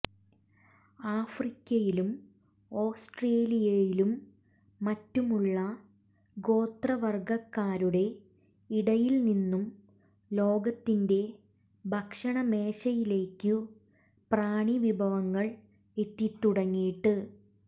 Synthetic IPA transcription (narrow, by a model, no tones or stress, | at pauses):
aːfrikʲːɐjilum | o̞ːsʈreːlijɐjilumː | ɐtːumuɭːɐ | ɡo̞ːt̪rɐʋɐrɡɐkːaːɾuɽe̞ | iɽɐjilninːum | lo̞ːɡɐt̪ːinde̞ | bʱɐkʂɐɳɐme̞ːɕɐjile̞ːkːɨ | praːɳiʋibʱɐʋɐŋːɐɭ | e̞t̪ːit̪ːuɽɐŋːijʈːɨ